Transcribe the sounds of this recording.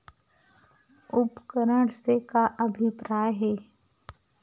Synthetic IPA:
ʊpkəɾəɽsekaʔəbʱipɾaːjɦɛː

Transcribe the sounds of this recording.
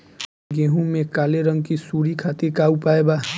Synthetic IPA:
ɡeɦũmẽkaleɾəŋɡkisuɾikʰat̪ikaupaeba

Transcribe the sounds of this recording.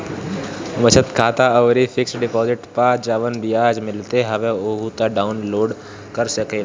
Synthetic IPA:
mət͡ʃʰət̪kʰaːt̪aɔːɾifʰɪksɖɪpɔːzɪʈpaːt͡ʃd͡ʒaːʋənbijaːd͡ʒmɪlt̪eɦɐʋẽoːɦut̪aɖaːʊnloːɖ | kəɾsəke

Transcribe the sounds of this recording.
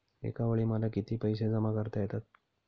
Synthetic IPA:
ḛkaʋəɭiːməlakit̪iːpəjs̬ed͡zəmakəɾt̪ajet̪at̪̚

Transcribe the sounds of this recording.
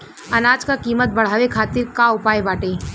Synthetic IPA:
ɐnaːd͡ʒkakiːmət̪̚bɐɽ̤aːʋekʰaːt̪ɪɾkaʊpaːebaːʈeː

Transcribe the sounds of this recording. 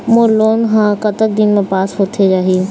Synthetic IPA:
moːɾloːnɦãkɐt̪ək̚d̪ɪnmẽpaːsɦoːt̪ʰed͡ʒaːɦĩ

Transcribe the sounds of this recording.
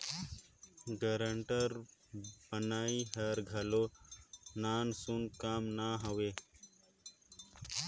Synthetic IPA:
ɡəɾəɳʈəɾbənaːiɦəɾɡʱəlo | naːnsunkaːmnaɦəʋeː

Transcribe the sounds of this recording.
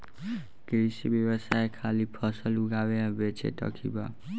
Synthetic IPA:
kɾisibjebəsaekʰalipʰʌsəluɡabeãbet͡ʃʰḛʈ̪ʌ̰kʰḭba

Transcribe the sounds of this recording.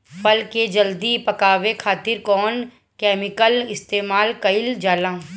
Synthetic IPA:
pəlked͡ʒəld̪ipɐkaːʋekʰaːt̪ɪɾkɔːn | kɛːmɪkəlɪst̪eːmaːlkɐɪld͡ʒaːlãː

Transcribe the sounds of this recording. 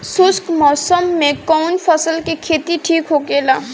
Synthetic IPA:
sʊskmɔːsəmːẽkɔwnpʰəsəlkekʰet̪iʈʰiːkɦokelaː

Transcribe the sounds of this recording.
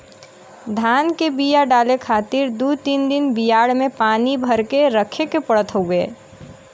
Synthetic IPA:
d̪ʱaːnkebijaɖaːlekʰaːt̪iɾd̪ut̪ind̪ɪnbijaːɽmẽpaːnibʱəɾkeɾəkʰekepəɽət̪ɦəeː

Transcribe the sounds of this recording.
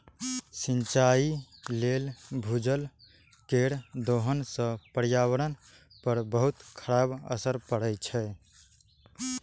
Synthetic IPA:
sint͡ʃailelbʱud͡ʒəl | keɽd̪oɦənsə̃pəɾjaβəɾən | pəɾbəɦut̪kʰəɾabə̰səɾpəɽɛt͡ʃʰɛ

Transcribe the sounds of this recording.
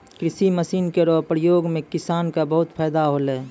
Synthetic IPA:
kɾɪsiməsiːnkeɾɔpɾəjoːɡmẽkɪsaːnkabəɦʊt̪pʰaːd̪aɦoleː

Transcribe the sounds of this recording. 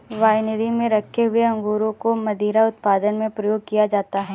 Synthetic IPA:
ʋaːjnɪd̪ʱimẽɾɐkʰːeɦʊeɐ̃ŋɡuːɾõkomɐd̪iːɾaʊt̪̚paːd̪ənmẽpɾɐjoːɡ̚kijad͡ʒaːt̪aɦɛː

